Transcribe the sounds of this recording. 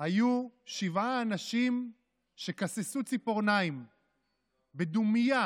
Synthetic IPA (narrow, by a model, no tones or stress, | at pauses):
hajuʃivaːnaʃim | ʃe̞kasesut͡sipoʁnaim | bed̪umija